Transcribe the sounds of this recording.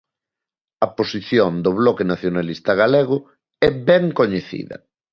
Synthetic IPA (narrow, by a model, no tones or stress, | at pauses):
ɐposiθjond̪oβlɔkenaθjonalist̪ɐɣaleɣ̞ʊ | ɛbɛŋkoɲeθḭðɐ̰